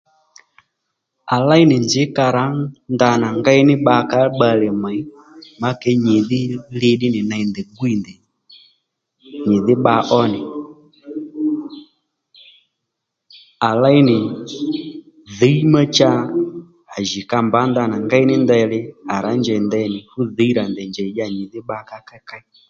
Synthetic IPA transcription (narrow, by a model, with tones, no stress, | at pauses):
a˨la˦i˦nɪ˨nd͡zɪ˨˦ka˧ɾa˨˦nd̪a˧na˨ŋɡa˦i˦nɪ˦ɓa˧ka˨˦ɓa˧lɛ˨ma˨j | ma˦kɛ˨˦ɲɪ˨ðɪ˦lɪ˧ɗɪ˦nɪ˨na˧i˨nd̪ɛ˨ɡu˦i˦˨nd̪ɛ˨ | ɲɪ˨ðɪ˦ɓa˧ʔɔ˦nɪ˨ | a˨la˦i˦nɪ˨ | ðe˨˦i˦ma˦t͡ʃa˦ | a˨ʒi˨ka˧mba˨˦nda˧na˨ŋɡa˦i˦nɪ˦ndɛ˧lɪ˦a˨ɾa˨˦ɲd͡ʒɛ˨i˨ndɛ˦nɪ˨fu˦ðe˨˦i˦ɾa˨ndɛ˨nd͡ʒɛ˨i˨d͡ʒa˨ɲɪ˨ðɪ˦ɓa˧ka˦ka˦ka˦i˦